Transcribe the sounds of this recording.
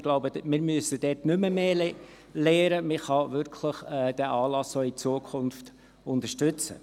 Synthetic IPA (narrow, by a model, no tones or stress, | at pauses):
ɡ̥loʊbəmɪːɾmyəsəd̥ɛːtnʏməmeːl | leːɾəmɪχɑvʏɾkʰləχɛːd̥ɛʔɑːlɑsːoːit͡suəkʰʊnft | ʊnt̪əʃtʏt͡sə̰